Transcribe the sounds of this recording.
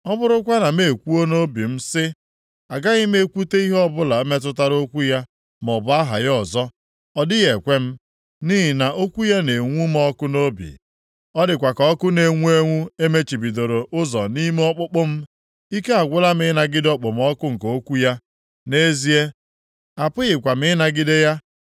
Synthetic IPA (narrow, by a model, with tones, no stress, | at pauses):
ɔ˦bʊ˦ɾʊ˦kʷa˦na˨me˨kʷu˦o˦no˦bi˨m̩˦sɪ˦ | a˨ɡa˦ɣɪ˦m̩˦e˦kʷu˦te˦i˦ɦɔ˦bʊ˦la˨˦me˦t̬ʊ˦t̬a˦ɾo˦kʷu˦ja˦ | m˨ɔ˨bʊ˦a˦ɦa̰˨jɔ˨zɔ˦ | ɔ˦dɪ˦ɣe˨kʷe˦m̩˦ | ni˦ɦɪ˨na˨ʔo˦kʷu˦ja˦ne˨ŋʷu˦m˦ɔ˦kʊ˦no˦bḭ˨ | ɔ˦dɪ˨kʷa˨kɔ˨ɔ˦kʊ˦ne˨ŋʷu˦e˦ŋʷu˦e˦me˦t͡ʃi˨bi˨do˨ɾo˨ʔʊ˦zɔ˨ni˦m˦ɔ˦k͡pʊ˦k͡pʊ˦m̩˦ | i˦ke˦a˨ɡʷʊ˦la˦m˦ɪ˦na˨ɡɪ˦dɔ˦k͡pʊ˨m˨ɔ˦kʊ˦ŋ̩˨ko˨o˦kʷu˦ja˦ | ne˦zi˦e˦ | a˨pʊ˦ɣɪ˨kʷa˨m˦ɪ˦na˨ɡɪ˦de˦ja˦